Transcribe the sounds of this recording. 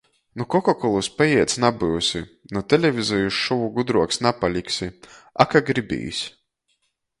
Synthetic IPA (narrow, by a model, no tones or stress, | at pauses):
nukɔkakɔlˠuspajiɛt̪snabɨwsʲi | nut̪ɛlʲɛvʲizɔjuʃʃɔvuɡud̪ɾuɔksnapalʲiksiakaɡɾibḭːsʲ